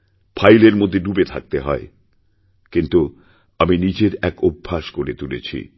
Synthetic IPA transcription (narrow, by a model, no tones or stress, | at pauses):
pʰajleɾmod̪ʱːeɖubet̪ʰak̚t̪eɦɔe | kint̪u | aminid͡ʑeɾɛkobʱːaʃkoɾet̪ulḛt͡ɕʰḭ